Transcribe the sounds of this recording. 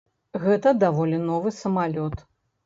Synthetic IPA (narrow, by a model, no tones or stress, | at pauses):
ɣɛt̪ɐd̪avɔlʲinɔvɨsɐmalʲɔt̪